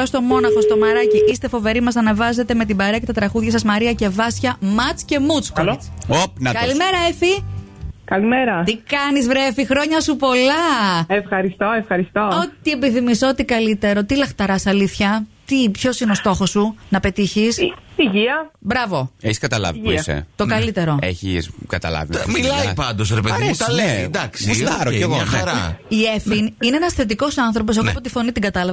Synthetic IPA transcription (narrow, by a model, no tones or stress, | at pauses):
ost̪o̞mo̞nɐxo̞st̪o̞mɐɾɐciist̪e̞fo̞ve̞ɾimɐsɐnɐvɐze̞t̪e̞me̞t̪̬ibɐɾeɐce̞t̪ɐt̪ɾɐɣuðʝɐsɐzmɐɾiɐce̞vɐsçɐmɐt͡sce̞mut͡skoit͡sopnɐkɐlime̞ɾɐefi | kɐlimeɾɐt̪ikɐnizvɾefixɾo̞ɲɐsupo̞lɐefxɐɾist̪oefxɐɾist̪oot̪iepiθimisoot̪ikɐlit̪e̞ɾo̞t̪ilɐxt̪ɐɾɐsɐliθçɐt̪ipço̞sineost̪o̞xo̞sːunɐpe̞t̪içisiʝiɐbɾɐvo̞eçi̥skɐt̪ɐlɐ̰vipisḛt̪okɐlit̪e̞ɾo̞ḛçiskɐt̪ɐ̰lɐ̰vimmilɐipɐnd̪osɾepeðet̪ɐled̪ɐksiɐɾoeɣoɐxɐɾɐiefinineenɐsθe̞t̪̬iko̞sɐnθɾop̬o̞s̬eɣopot̪ifo̞nit̪iɡɐt̪ɐlɐv